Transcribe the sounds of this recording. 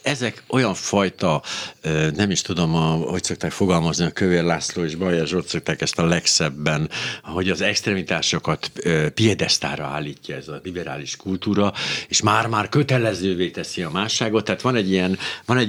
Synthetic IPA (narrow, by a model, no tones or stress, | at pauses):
ɛzɛko̞jɒɱfɒjt̪ɒ | nɛmiʃt̪ud̪o̞mɒho̞cso̞k̚t̪aːkfo̞ɡɒlmɒzniɒkøveːrlaːsloːeːʒbɒjɛʒot̪sok̚t̪aːkɛst̪ɒlɛksɛbːɛnho̞ɟɒzɛkst̪rɛmit̪aːʃokɒt̪ːpijɛd̪ɛst̪a̰ːɾɒa̰ːlːiːcːɒɛzɒlibɛɾa̰ːliʃkult̪uːɾɒeːʃmaːrmaːrkø̞t̪ɛlɛzøːveːt̪ɛsiɒmaːʃːaːɡot̪ːɛɦːt̪ʋɒnɛɟːijɛnvɒnɛ